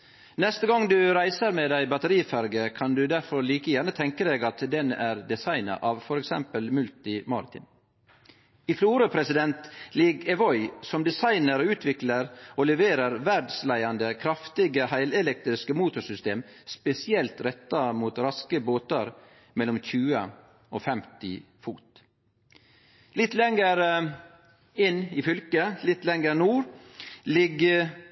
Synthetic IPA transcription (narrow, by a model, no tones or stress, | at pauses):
nɛst̪əɡɑŋd̪ʉɾæɪsəɾmed̪æɪbɑt̪əɾiːfæɾɡəkʰɑnd̪ʉd̪æɾfɔɾliːkəjæːɳət̪ʰɛŋkəd̪eːɡɑt̪d̪ɛnæɾd̪ɛsɑɪnɑ̰ʔɑːʋfɔɾɛksɛ̰mpəlmʉlt̪ɪmɑ̰ːɾɪt̪ʰɪ̰n | ɪfluːɾəpʰɾɛsɪd̪ɛnt̪lɪɡɛʋɔʏsɔmd̪ɛsɑɪnəɾɔʉːt̪ʰʋɪkləɾolɛʋeːɾəɾʋæɖslæɪɑnd̪əkʰɾɑft̪ɪɡəhæɪlɛlɛk̚t̪ɾɪskəmuːt̪ʊsʏst̪eːmspɛsɪɛlt̪ɾɛt̪ːɑmuːt̪ɾɑskəboːt̪əɾ | mɛlːɔmçʉːə | oːfɛmt̪ɪ̰ | fuːt̪ | lɪt̪lɛŋəɾ | ɪnːɪfʏlkəlɪt̪lɛŋəɾnuːɾlɪɡ